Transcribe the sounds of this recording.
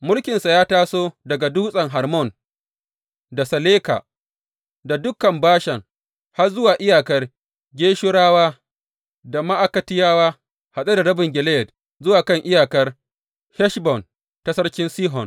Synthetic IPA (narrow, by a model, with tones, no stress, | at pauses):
mʊ˦lkʲɪ˨nsa˨jaː˦taː˦soː˦dɐ˨ɡa˨duː˦sʼɐ˨ŋɦa˨rmɔ˦˨n | da˨sɐ˨leː˦ka̰˨ | da˨dʊ˦kɐ˨mbaː˦ʃɛ˨ŋ | ha˦rzʊ˦waː˨ʔɪ˦jaː˨kɐ˦r | ɡʲeː˦ʃʊ˦ɽaː˦waː˦ | da˨ma˦ʔa˦kɐ˦tɪ˦jaː˦waː˦ | ha˨sʼe˦da˨ɾɐ˦bɪ˨ŋɡʲɪ˨lɛ˦jɛ˨d | zʊ˦waː˨kɐ˦˨ŋʔɪ˦jaː˨kɐ˦r | hɛ˦ʃbɔ˨n | ta˦sɐ˦ɽkʲɪ˦nsiː˦ɦɔ˨n